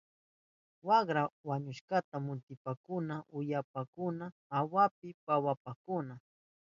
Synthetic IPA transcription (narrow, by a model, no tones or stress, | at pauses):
waɢɾawaɲʊʃkat̪amʊt̪ɪpakʊnaʔʊjapakʊnaːwap̚ɪpawapakʊna